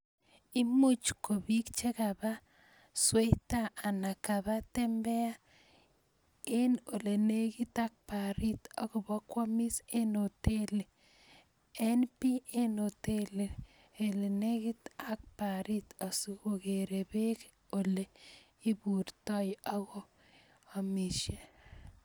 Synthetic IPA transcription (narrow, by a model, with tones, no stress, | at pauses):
i˦mu˦t͡ʃko˨bi˦kt͡ʃe˦ka˨ba˦ | swe˦jta˦a˨na˨ka˨ba˦te˦mbɛ˦a˦ | e˦no˨le˨ne˦ki˦ta˦k̚pa˨ɾi˦t̪a˦kʊ˨bɔ˦kwɔ˦mi˦se˦no˨te˦le˨ | e˦npi˦e˦no˨te˦le˨ | e˨le˨ne˦ɡi˦ta˦k̚pa˨ɾi˦ta˨su˦ko˦ke˨ɾe˨be˦k | o˨le˨ | i˦bu˨ɾtɔ˦ja˦ɡoː˦˨ | miʃe˨